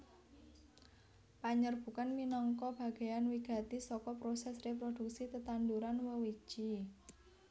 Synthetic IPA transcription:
paɲərb̥ṳkanminɔŋkɔb̥a̤ɡ̥e̤janwiɡ̥a̤t̪isɔkɔpɾosɛsrepɾod̪̥ṳk̚sit̪ət̪and̪uɾanwəwi̥t͡ʃi

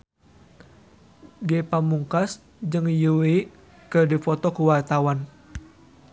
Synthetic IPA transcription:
ɡɛpamuŋkas | d͡ʒɨŋjui | kərdifɔt̪ɔkəwart̪awan

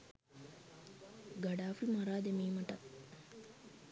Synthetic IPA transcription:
ɡaɖaːflimaɾaːd̪emiːmɐʈɐt̪̚

